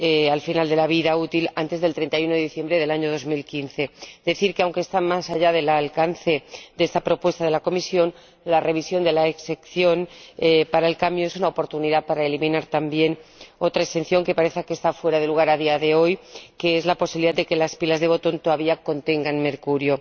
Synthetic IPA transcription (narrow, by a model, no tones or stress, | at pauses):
ealfinald̪e̞laβ̞iðaut̪ilant̪e̞zðlt̪ɾe̞nt̪ajuno̞ððiθje̞mbɾe̞ðe̞laɲo̞ð̞o̞zmilkinθe̞d̪e̞θiɾkeawŋke̞st̪amasaʝað̞e̞lalkanθe̞d̪e̞st̪apɾo̞pwe̞st̪að̞e̞lako̞misjo̞n | lare̞β̞isjo̞nd̪e̞laeksekθjo̞nepaɾaelkambjoesunaopo̞ɾt̪uniðapaɾaelimĩnaɾt̪ambje̞no̞t̪ɾaekst̪e̞nθjo̞ŋke̞paɾe̞θake̞st̪afwe̞ɾaðe̞luɣ̞aɾaðiaðe̞o̞jke̞ezlapo̞siβiliðad̪e̞ke̞laspilazðe̞β̞ot̪o̞nt̪o̞ðaβiako̞nt̪e̞ŋɡanme̞ɾkuɾjo̞